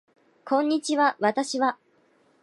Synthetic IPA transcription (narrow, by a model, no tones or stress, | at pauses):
kʰõ̞ɲ̟ːit͡ɕiβaβat̪aɕiβa